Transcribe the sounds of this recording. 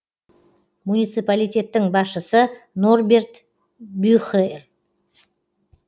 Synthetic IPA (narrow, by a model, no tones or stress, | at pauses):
munijt̪sɨpalijt̪ʲe̞t̪ːɪŋbɑsʃəsənorbe̞rt̪ | byχer